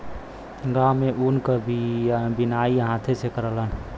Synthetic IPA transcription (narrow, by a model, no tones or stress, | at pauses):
ɡamːeʔunkəbbinaiɦãːt̪ʰesekəɾələn